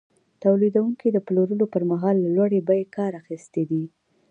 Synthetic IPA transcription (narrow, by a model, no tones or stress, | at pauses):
t̪awlid̪awuŋkid̪əploɾəlopəɾmaɦɑlːalwaɽebajekɑɾaxist̪ed̪i